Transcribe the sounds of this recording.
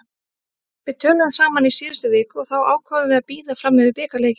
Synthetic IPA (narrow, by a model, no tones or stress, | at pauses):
vɪt̪ʰœːnʏðasaːmanisiːðʏst̪ʏvɪːkʏɔθawa̰ːwkʰvaːvʏvɛðapiːðafɾamːɪvɪɾpɛːkaleːjcɪ